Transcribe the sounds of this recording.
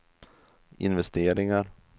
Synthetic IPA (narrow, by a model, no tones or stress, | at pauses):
ɪ̰nvɛst̪eːɾɪŋaɾ